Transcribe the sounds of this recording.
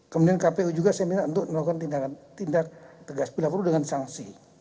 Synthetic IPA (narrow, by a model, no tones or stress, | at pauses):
kəmudiankapeud͡ʒuɡasajaminaʔunt̪ʊk̚məlaukant̪indakat̪indak̚t̪əɡaspilapuɾudəŋansaŋsḭ